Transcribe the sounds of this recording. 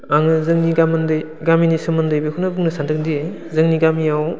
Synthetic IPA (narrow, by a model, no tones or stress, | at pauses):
aŋɯzɯŋniɡamɯndɯj | ɡaminisɯmɯndɯjbekʰunɯbɯŋnɯsʰandʰɯk̚die | zɯŋniɡamijaw